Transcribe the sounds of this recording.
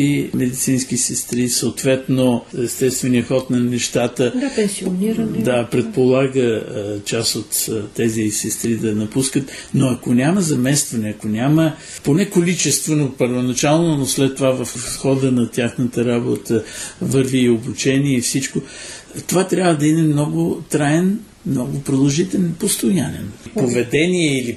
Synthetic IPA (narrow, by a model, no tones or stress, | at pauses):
imɛd̪it̪sinskisɛst̪ɾisɐot̪vɛt̪noɛst̪ɛst̪vɛniəxɔt̪nɐnɛʃt̪at̪əpɛsioniɾd̪apɾɛt̪̚polˠaɡət͡ʃasot̪ːɛzisɛst̪ɾid̪ɐnɐpuskət̪noɐkonʲaməzɐmɛst̪vɐnɛɐkonʲamə | ponɛkolit͡ʃɛst̪vɛnopəɾvonɐt͡ʃalˠnonoslɛt̪ːovavɐfsxɔd̪ənɐt̪ʲjaxnət̪əɾabo̰t̪əvɤɾviːobut͡ʃɛniɛifsit͡ʃko | t̪ovat̪ɾʲabvəd̪ɐinɛmnɔɡʊt̪ɾajɛn | mnɔɡʊpɾilˠoʒit̪ɛlɛnpost̪ʊjanɛ̰npovɛd̪ɛniɛili